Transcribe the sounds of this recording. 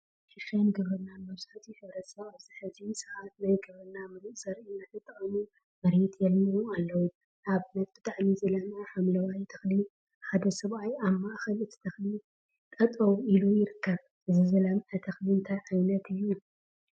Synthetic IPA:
ʃɪʃɐnɡɨβɾɨnːanmɐβzaħt̪ʰiħɨβɾɐt̪sɐβaβzɨħɨd͡ʒisɐβat̪najɡɨβɾɨnːamɨɾɨʔsɐɾinat̪ʰɨt̪ʼːɨχʼɐmu | mɐɾit̪ʰjɛlmuualːɐwu | ʔaβɨnɐt̪̚bɨt̪ʼaʕmizɐlamʕaħamlɐwajt̪ʰɐ̥xli | ħad̪ɐsɐβʔajaβmaʔxɐlɨt̪ʰɨ̥t̪ʰɐxli | t̪ʼɐt̪ʼɐwilujɪɾɨkʰːɐβ | ʔɨzizɐlamʕat̪ʰɐxliɨnt̪ʰajʕajnɐt̪ʰɨjːu

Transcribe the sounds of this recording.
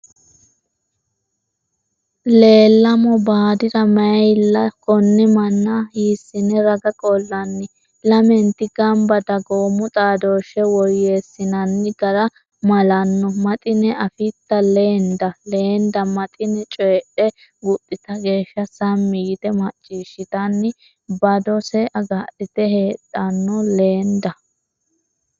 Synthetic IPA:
le̞ːlːɐmɔbaːd̪ɪd̪ɐmɐjlɐkʼɔnːɛmɐnːɐhiːsːɪnɛɾɐɡɐkʼɔlːɐnːɪ | lɐmɛnt̪ːɪɡɐmbɐd̪ɐɡoːmːʊt̪ʼaːd̪oːʃɛwɔjːeːsːɪnɐnːɪɡɐɾɐ | mɐlɐnːɔmɐt̪ʼɪnɛʔɐfɪt̪ːɐle̞ːnd̪ɐle̞ːnd̪ɐmɐt̪ʼɪnɛt͡ʃʼɔɛᶑɛ | ɡʊʔʼːɪt̪ɐɡe̞ːʃːɐsɐmːɪjɪt̪ɛmɐt͡ʃʼːiːʃːɪt̪ɐnːɪ | bɐd̪ɔsɛʔɐɡaːᶑɪt̪ɛhe̞ːt̪ʼːɐnːɔle̞ːnd̪ɐ

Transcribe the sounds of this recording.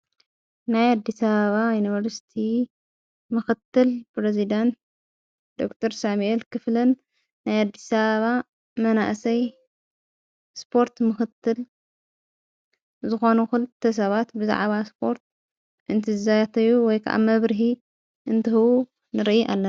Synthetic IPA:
najad̪ːisaβɐβajunivɐɾsi̥t̪ʰi | mɨxɨt̪ːɨlpɾezid̪ant̪̚ | d̪̥o̞̰kt̪ʰɐɾsamuʔelkʰɨflɐnː | ajad̪ːisaβɐβa | mɐna̰ʔsɐj | spʰo̞ɾt̪mɨxɨt̪ʰːɨl | zɨxo̞nuxɨlɨt̪ʰːɐs̬ɐβat̪bɨza̰ʕβaspʰo̞ɾt̪̚ | ʔɨnt̪ʰɨzɨzajat̪ʰɐjuwɔjkʰa̰ʔa̰mɐβɾɨɦi | ʔɨnt̪ʰɐhɨwu | nɨɾʔiʔa̰lːɐ

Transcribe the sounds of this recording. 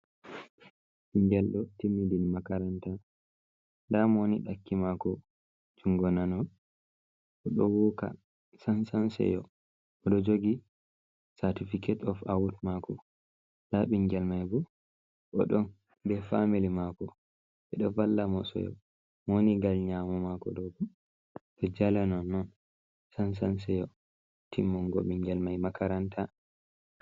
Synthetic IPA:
ɓiŋɡɛlɗɔtimːidilmakaɾanta | ndamoniɗakːimakɔ | d͡ʒuŋɡɔnanɔ | ʔɔɗɔwɔka̰ | sansansɛ̰jɔ | ɔɗɔd͡ʒoɡi | satifikʰɛtɔfawutmakɔ | laɓiŋɡɛlmajbu | ʔɔ̰ɗɔn | bɛfamilimakɔ | ɓɛɗɔvalːamɔsɔ̰jɔ̰ | moniɡalɲamɔmakɔ̰ɗɔbu | ɗɔd͡ʒalanɔnːɔn | sansans̬ɛjɔ | tʰimːɔnɡo̰ɓiŋɡɛlmajmakaɾanta

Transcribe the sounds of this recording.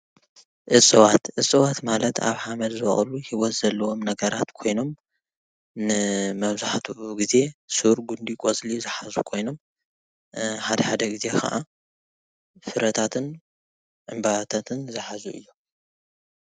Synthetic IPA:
ʔɨt͡sʼɨwat̪ʔɨt͡sʼɨwat̪malɐt̪a̰βħamɐd̪zɨɐχʼluhiwɔt̪z̥ɐlːɐwo̞mnɐɡɐɾat̪kʰo̞jno̞m | nɨmɐβzaħt̪ʰuɡize̞sɨɾɡund̪ikʼot͡sʼlizɨħazṵkʰo̞jno̞m | ħad̪ɐħad̪ɐɡize̞kʰa̰ʔa | fɨɾɐt̪ʰat̪ʰɨn | ʕɨmbaβat̪ʰat̪ʰɨnzɨħazuʔɨ̰jːu

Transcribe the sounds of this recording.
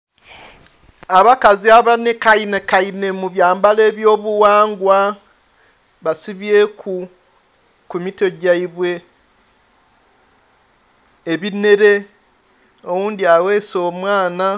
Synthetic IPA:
aβakaziaβanekainekaine̞muβjaːmbale̞ːβjo̞ːβuwaːŋɡwa | βasiβjekʰu | kumito̞ɟaiβwe̞ | βine̞ɾe̞ | owuːndiawe̞ːso̞ːmwaːna

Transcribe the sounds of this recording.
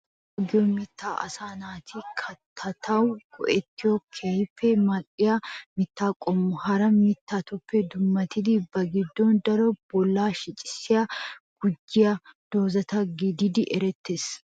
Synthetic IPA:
ɔɡɪjoːmɪt̪ːaːʔɐ̰saːnaːt̪ʰikʰɐt̪ʰːɐt̪ʰɐwʊkʰɔʔɛt̪ːɪoːkʰefɛmɐkʼːɪjamɪt̪ːaːkʼɔmːʊhɐɾɐmit̪ːaːt̪ʊfːɛd̪ʊmːɐt̪ɪd̪ɪbːɐɡɪd̪ːoːnd̪ɐɾɔb̥ɔlːaːʃɪt͡ʃʼɪ̥sːɪɐɡ̥ʊd͡ʒːɪjɐd̪̥oːzɐt̪ɐɡɪd̪ɪd̪ɪʔɛɾɛt̪ːeːs

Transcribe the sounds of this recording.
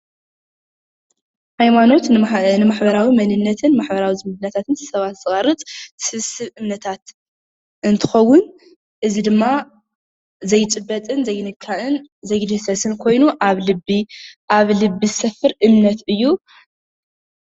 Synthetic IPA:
hajmano̞t̪nɨmaħbɐɾawimɐnɨnːɐt̪ʰɨnmaħbɐɾawizɨmɨɨnːɐt̪ʰat̪ʰɨnsɨsɐβat̪zɨχʼɐrɨt͡s̪ʼsɨβsɨβɨmnɐt̪ʰat̪ | ʔɨnt̪ʰɨ̥xɐwːʊn | ʔɨzid̪ɨmːa | zɐjt͡ʃʼɨbːɐt͡s̪ʼɨnzɐjːnɨkʰːaʔɨnzɐjd̪hsɐsɨnkʰo̞jnuʔaβlɨbːiʔaβlɨbːizɨsɐfɨɾʔɨmnɐt̪ɨjːu

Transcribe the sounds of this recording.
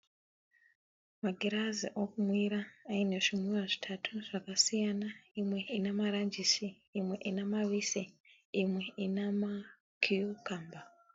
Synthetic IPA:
maɡʱiɾaziʔokumwiɾaːine̞ʐimwiwaʐi̥tʰatʰuʐ̥akasijanaimwe̞inemaɾand͡ʒisiː | mwe̞ʔinemaʋise | imwe̞inama | kʰiukaːmba

